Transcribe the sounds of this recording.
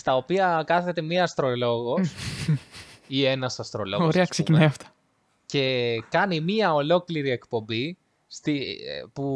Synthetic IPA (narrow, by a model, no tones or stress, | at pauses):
st̪ɐopiɐkɐθe̞t̪e̞miɐst̪ɾo̞lo̞ɣo̞s | ie̞nɐsɐst̪ɾo̞loɣoeɐskseuinɐjɐft̪ɐ̥ | ce̞kɐnimiɐo̞lo̞kliɾie̞kpo̞mbi | st̪ipu